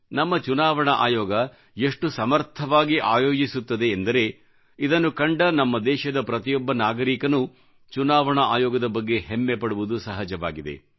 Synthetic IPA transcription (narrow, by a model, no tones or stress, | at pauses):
nɐmːɐt͡ʃunaːʋɐɳɐʔa̰ːjɔːɡɐ | eʂʈusɐmɐɾt̪ʰɐʋaːɡiʔaːjoːd͡ʒisut̪ːɐd̪e̞ːnd̪ɐɾe̞ | id̪ɐnːukɐɳɖɐnɐmːɐd̪ɛːʃɐd̪ɐpɾɐt̪ijɔbːɐnaːɡɐɾiːkɐnu | t͡ʃunaːʋɐɳɐʔaːjɔːɡɐd̪ɐbɐɡːe̞ɦemːepɐɽuʋud̪usɐɦɐd͡ʒɐʋa̰ːɡid̪ḛ